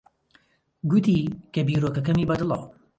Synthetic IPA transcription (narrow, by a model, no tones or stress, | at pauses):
ɡut̪iːkɐbiːɾoːkɐkɐmiːbɐd̪ɨlɑ̰